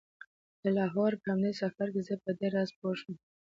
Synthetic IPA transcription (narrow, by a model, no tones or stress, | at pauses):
d̪̥əlɑɦɑɾkamnesafaɾkezəpəd̪eɾɑzpoʃum